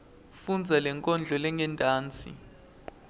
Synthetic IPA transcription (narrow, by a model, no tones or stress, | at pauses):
fund͡zʱalɛŋkʼɔnd͡ɮʱɔlɛŋɡʱɛntʼaːnt͡sʼḭ